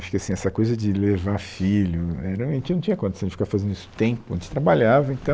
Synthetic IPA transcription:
aʃʊ̥kɪasĩɛsɐkojzɐd͡ʒɪlevafilʊɛɾɐɐʒẽt͡ʃɪnɐ̃w̃t͡ʃĩɲɐkõtd̪esɐ̃d͡ʒɪfikavɐfazẽnd̪ʊisʊ̥t̪ẽmpʊɐʒẽt͡ʃt̪ɾabaʎavɐẽnt̪ɐ̃

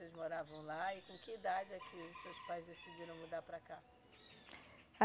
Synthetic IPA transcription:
ezmoɾavɐ̃w̃laɪkõkɪid̪ad͡ʒɪɛkʰɪʊsewspajzd̪esid͡ʒiɾɐ̃w̃mud̪apɾaka

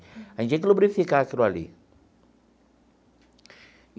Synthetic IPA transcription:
and͡ʒeklubɾifikakəɾualḭ

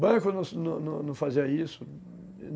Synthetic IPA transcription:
bɐ̃kʊnɐ̃snɐ̃nɐ̃nɐ̃w̃faziɐisʊ | n

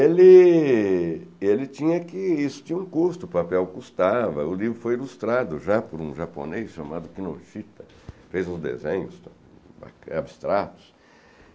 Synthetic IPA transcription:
elɪ | elɪt͡ʃĩɲɐkɪisʊ̥t͡ʃĩɲɐũkuɾst̪ʊpapɛwkust̪avɐ̰ʊlivɾʊfojilust̪ɾad̪ʊʒapʊɾũʒapo̰nejsʃamad̪ʊkinoʃit̪ɐ | fejzũzd̪ḛzẽɲʊst̪ | ba̰abist̪ɾat̪ʊ̥s

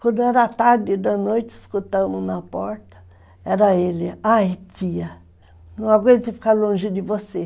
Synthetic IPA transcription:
kʷɐ̃nd̪ʊɛɾɐt̪aɾd̪ɪd̪ɐnojt͡ʃ̪ɪɪskut̪ɐ̃mʊnɐpɔɾt̪ɐ̥ | ɛɾɐelɪajt̪iɐ | nɐ̃w̃aɡwẽnt̪ɐfi̥kaɾlõʒɪd̪ɪvose

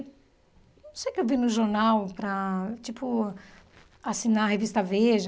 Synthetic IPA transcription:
ñsejkɪewvinʊʒoɾnawpɾɐt͡ʃipʊ | asinaɐhevist̪ɐveʒ

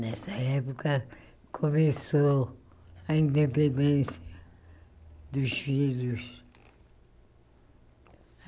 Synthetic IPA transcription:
nɛsɐɛpukɐ | kʰomeso | ɐĩnd̪epẽnd̪ẽsiɐ | d̪uzvilus

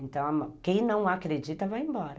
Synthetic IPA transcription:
ẽnt̪ɐ̃w̃amɐ̃kẽj̃nɐ̃w̃akɾed͡ʒit̪ɐvajẽmbɔɾɐ

